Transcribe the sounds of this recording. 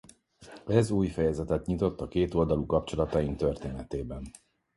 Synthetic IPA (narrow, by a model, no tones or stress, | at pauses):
ɛzuːjfɛjɛzɛt̪ɛt̪ɲit̪o̞t̪ːɒkeːt̪o̞ld̪ɒlukɒpt͡ʃo̞lɒt̪ɒiŋt̪ørt̪eːnɛt̪eːbɛn